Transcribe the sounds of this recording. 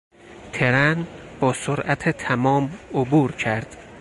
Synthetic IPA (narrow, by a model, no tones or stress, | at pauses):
t̪ʰeɾænb̥ɒːsoɾʔæt̪ʰet̪ʰæmɒːmobuːɾcʰæɾd̪̥